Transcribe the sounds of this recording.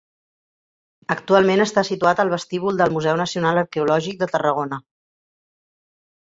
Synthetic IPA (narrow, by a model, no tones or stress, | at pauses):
əkt̪ualˠmenəst̪asit̪uat̪əlˠβəst̪iβ̞ulˠd̪əlˠmuzɛwnəsiunaləɾkɛulɔʒik̚d̪ət̪ərəɣ̞onə